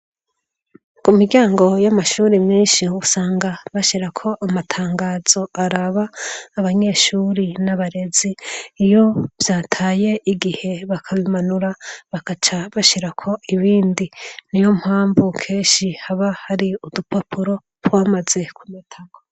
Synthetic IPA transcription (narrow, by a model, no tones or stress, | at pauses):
kumiɡɟaːŋɡo̞jamaʃuːɾimiːnʃiusaːŋɡaβaʃiɾakʰo̞ʔamatʰaːŋɡaːz̥o̞aɾaβaːβaɲe̞ʃuːɾinaβaɾe̞ziːjo̞vjaːtʰaːje̞ʔiɡihe̞βakʰaβimanuɾaβakat͡ʃaβaʃiɾakʰo̞iβiːndinijo̞mhaːɱvukʰe̞ːnʃihaβahaɾiudupapʰuɾo̞ | ɾwaːmaze̞kʰumitʰaɡo